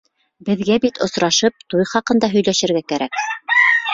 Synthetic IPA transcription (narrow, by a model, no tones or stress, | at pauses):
bɘ̆ðɡæbit̪ŏsɾɑʃɤp̚t̪ujχɑqɤ̆nd̪ɑɦɵ̆jlæʃɘ̆ɾɡækæɾæk